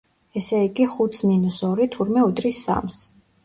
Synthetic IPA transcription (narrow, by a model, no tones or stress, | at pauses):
ɛsɛiɡiχut̪sminusɔɾit̪ʰuɾmɛud̪ɾisːa̰ms